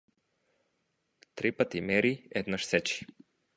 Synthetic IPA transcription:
t̪ɾipat̪imɛɾiɛd̪naʃsɛt͡ʃi̥

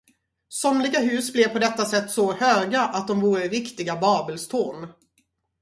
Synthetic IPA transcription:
sɔmlɪɡaɦʉ̟ːsblɛvpʰɔd̪ɛt̪ːasɛt̪ːsɔhøːɡaʔat̪̚d̪ɔmvuːɾəɾɪkt̪ɪɡabɑːbəlst̪ʰun

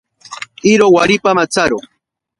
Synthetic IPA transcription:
ɪɾowaɾɪpamat͡saɾo

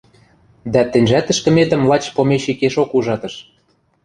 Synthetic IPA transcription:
d̪æt̪ɘ̆nʲʒæt̪ə̆ʃkə̆met̪ə̆mlˠɑt͡ɕpomeʃikeʃokuʒɑt̪ɤ̆ʃ

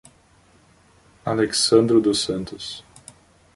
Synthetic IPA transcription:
aleksɐ̃nd̪ɾʊd̪ʊsɐ̃nt̪ʊs

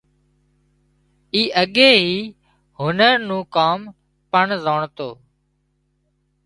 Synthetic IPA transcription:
iːʔəɠeːɦiː | ɦʊnəɾnũːkaːm | pəɳzoːɳt̪oː

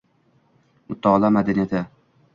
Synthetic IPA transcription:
mʊt̪ʰːaɒlˠamad̪anijat̪ʰa

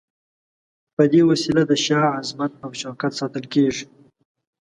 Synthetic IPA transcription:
pəd̪ewasilad̪əʃɑazmat̪̚awt͡ʃaːkat̪sɑt̪əlkeːʐi̥

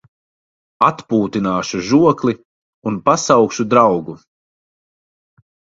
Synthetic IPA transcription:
at̪puːt̪inaːʃuʒuɔkli | unpasawkʃud̪ɾawɡu

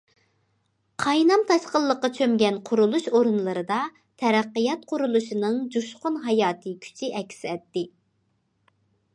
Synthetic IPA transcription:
qʰɑjnɑmt̪ʰɑʃqəlˠːəqːɑt͡ʃʰømɡʲɛnqʰʊɾulˠuʃoɾɨnlˠɨɾɨd̪ɑ | t̪ʰɛɾæqːəjɑt̪̚qʰʊɾulˠuʃinɨŋd͡ʒuʃqʊnɦɑjɑːt̪ʰɨkʲʰy̥t͡ʃʰɪʔɛkʲʰsɪɛt̪ːɪ

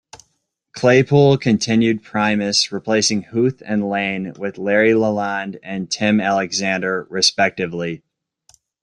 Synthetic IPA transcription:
kʰl̥eɪpʰulˠkʰɨ̃ntʰɪ̃njʉd̚pʰɹ̥ãɪ̃mɨsɹipʰl̥eɪsɪ̃ŋhuθɨ̃nlẽɪ̃nwɪðlɛɹiləlɑ̃ndɨ̃ntʰɪ̃mælˠɨɡzæ̃ndə˞ɹɨspɛk̚tɨvli

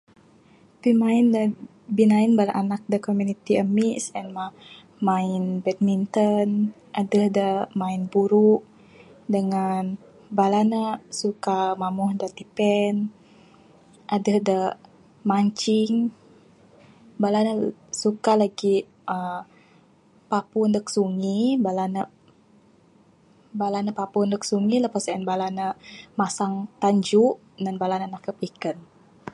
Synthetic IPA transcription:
pimaɪndə | binainbalaʔanak̚dəkomjunit̪iəmisɛnma | maɪnbɛt̪̚mint̪ən | ʔadəhdəmainbuɾuʔ | dəŋan | balanəsukamamuhdət̪ipɛn | ʔadəhdə | maɲt͡ʃiŋ | balanəsukalaɡi | ə | papundəksuŋibalanə | balanəpapundək̚suŋiləpasaənbalanəmasaŋt̪aɲd͡ʒuʔ | nanbalanənakəpikən

